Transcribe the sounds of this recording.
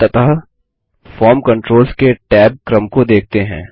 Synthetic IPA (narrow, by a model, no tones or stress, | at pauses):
t̪ɐt̪ʰaɦ | fɔːɾmkɐ̃ɳʈɾoːlskeʈɛːb̚kɾəmkod̪eːk̚ʰt̪eɦɛ̰̃ː